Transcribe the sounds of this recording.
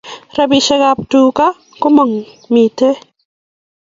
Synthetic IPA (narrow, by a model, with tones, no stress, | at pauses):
ɾɐbiʃe˦ɣap̚tu˨ka˦ | kʊ˦ma˨ŋ | mi˨te˦